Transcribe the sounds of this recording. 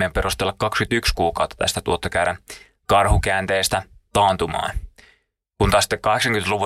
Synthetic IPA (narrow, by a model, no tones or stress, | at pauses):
empeɾust̪elːɑkkɑkskyt̪ykskuːkɑwt̪ːɑ̥t̪æ̰st̪æt̪uot̪ːɑkæːɾæn | kɑrhukæːnt̪eːst̪æt̪ɑːnt̪umɑ̰ːn | kunt̪ɑst̪ːekːɑheksɑŋkyment̪luʋu